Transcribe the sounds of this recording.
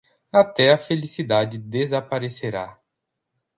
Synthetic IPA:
at̪ɛɐfelisid̪ad͡ʒɪd̪ezapaɾeseɾa

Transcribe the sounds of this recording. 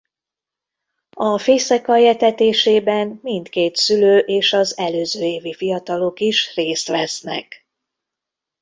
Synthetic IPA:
ɒfeːsɛkɒjɛt̪ɛt̪eːʃeːbɛnmint̪keːt̪syløːʔeːʃɒzɛløːzøːeːvifijɒt̪ɒlokiʃreːst̪ʋɛsnɛ̰k

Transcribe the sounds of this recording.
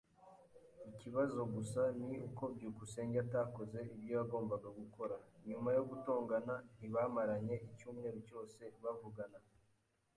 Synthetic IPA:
iciβazo̞ɡusaniuko̞bɟuːkuse̞ːɲɟataːko̞ze̞ibjo̞jaɡo̞ːmbaɡaɡukʰo̞ɾaɲumajo̞ɡutoːŋɡanan̥iβaːmaɾaɲe̞ʔicuːmŋe̞ːɾuco̞ːse̞βavuɡana

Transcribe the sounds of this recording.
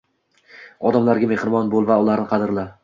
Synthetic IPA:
ɒd̪amlaɾɡʲamehɾɪmɒnbolˠvaʊlˠaɾnɪqʰɑd̪ɪɾla

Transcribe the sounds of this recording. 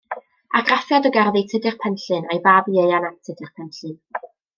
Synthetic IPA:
aɡrafjadəɡarðijtʰɪdɪrpʰɛnɬɨnajbaːbiejanatʰədɪrpʰɛnɬɨn

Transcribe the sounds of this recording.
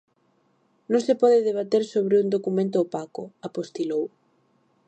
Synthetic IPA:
nõŋsɪpɔðɪðeβ̞at̪eɾsoβɾɪuŋd̪okumẽnt̪ʊːpakʊapost̪ilow

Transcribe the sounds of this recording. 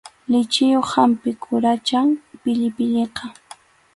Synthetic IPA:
lɪt͡ʃɪjoχhampɪkʰʊɾat͡ʃaŋpɪʎɪpɪʎeqɑ

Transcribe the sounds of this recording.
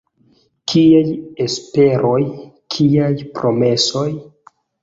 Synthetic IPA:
kʰiajespe̞ɾo̞jkʰiajpɾo̞me̞so̞j

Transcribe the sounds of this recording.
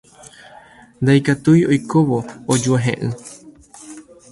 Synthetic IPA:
nd̪aikat̪ujo̞jkoʋo̞ːd͡ʒuaɦḛ̃ʔɨ̃

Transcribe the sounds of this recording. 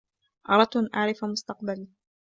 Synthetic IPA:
ʔɑɾˤɑt̪ːʔanʔaʕɾɪfamʊst̪ɑqbali

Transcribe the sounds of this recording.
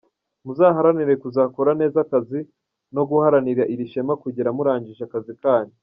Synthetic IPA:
muzaɦaɾaniɾe̞kuzakoɾane̞ːzakazi | no̞ɡuhaɾaniɾiaʔiɾiʃe̞makuɟeɾamuɾaːɲɟiʃakazikaːɲe

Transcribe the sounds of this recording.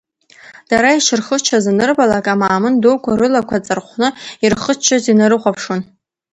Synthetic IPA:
d̥aɾaiʃɪrχət͡ʃʰazanɨrbalakʼamaːmɨndokʷaɾɨlakʷʰat͡sʼɨrχʷnɨirχət͡ʃʰːazinaɾɨχʷapʰʂon

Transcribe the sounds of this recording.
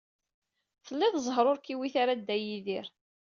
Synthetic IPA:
θəlːɪðzˤɦɾˤoɾkiwiθaɾad̪ːæjiðiɾ

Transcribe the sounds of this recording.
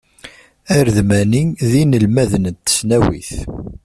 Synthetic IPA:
æɾðmæniðinəlmæðənət̪ːə̥snæwḭθ

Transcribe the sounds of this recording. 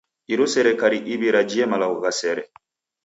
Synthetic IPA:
iɾusɛɾɛkaɾiʔiβiɾad͡ʒiɛmalaɣɔɣasɛɾɛ̰

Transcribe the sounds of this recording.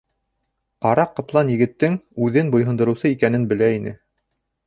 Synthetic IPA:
qɑɾɑqːɤ̆plˠɑnjɘ̆ɡɘ̆t̪ːɘŋʉðɘnbŏjɦɤ̆nd̪ɤ̆ɾɤ̆wsɤikænɘnbɘ̆læinɘ̰

